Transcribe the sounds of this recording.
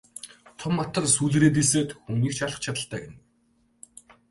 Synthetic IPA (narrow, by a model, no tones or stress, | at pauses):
t̪ʰʊmːat̪ə̆rsuːɮ̆ɾeːt̪̬iseːt̪xumniːkt͡ɕʰaɮə̆χt͡ɕʰat̪ə̆ɮt̪aːɡen